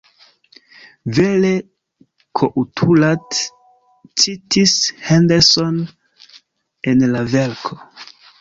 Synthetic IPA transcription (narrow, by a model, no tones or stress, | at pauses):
ve̞le̞ | kʰoʔutʰulat | t͡sitʰishandeson | enlave̞lkʰo